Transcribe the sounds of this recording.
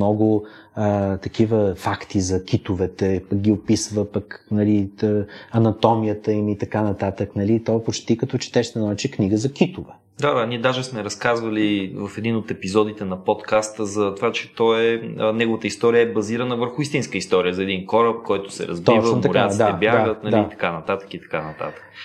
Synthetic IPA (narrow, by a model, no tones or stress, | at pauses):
mnɔɡʊ | ət̪ɐkivəfakt̪izɐk̟it̪ʊvɛt̪ɛpək̚ɡʲiopisvəpəknɐli | ɐnɐt̪ɔmijət̪əimit̪ɐkanɐt̪at̪əknɐlit̪ɔpot͡ʃt̪ikɐt̪ɔt͡ʃɛ̥t̪ɛʃnɛnɔɛt͡ʃɛkniɡəzɐkit̪ovɛ | d̪ad̪aniɛd̪aʒɛsmɛɾɐskazvəlivɐfɛd̪inot̪ɛpizɔd̪it̪ɛnɐpɔt̪kast̪əzɐt̪ovat͡ʃɛ̥t̪ɔɛnɛɡʊvət̪əist̪ɔɾijəɛbɐziɾənəvəɾxʊist̪inskəist̪ɔɾijəzɐɛd̪inkɔɾəp̚kɔjt̪ʊ̥sɛ̰ɾɐ̰zb̪ɔivəsmmt̪ɐʊɾʲad̪aɛbjad̪aɡət̪nɐliit̪ɐ̥kanɐt̪at̪ə̥kit̪ɐ̥kanɐt̪a̰t̪ə̥k